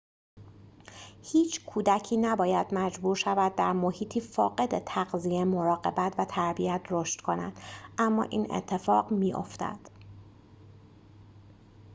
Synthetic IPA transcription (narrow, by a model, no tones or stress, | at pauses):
hiːt͡ʃʰkʰuːd̪æcʰiːnæbɒːjæd̪mæd͡ʒbuːɾʃævæd̪ːæɾmohiːt̪ʰiːfɒ̰ːɢe̞d̪et̪ʰæɢzijemo̞ɾɒːɢe̞bæt̪ʰvæt̪ʰæɾbiæt̪ʰro̞ʃt̪kʰo̞næ̰d̪̥ʔæmːɒ̰ːʔiːnḛt̪ʰːe̞fɒːɢmiːʔo̞̰ft̪æ̰d̪̥